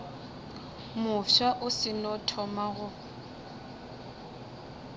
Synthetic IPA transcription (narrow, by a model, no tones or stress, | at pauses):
mʊʃaʔʊsɪnɔtʰɔmaɣʊ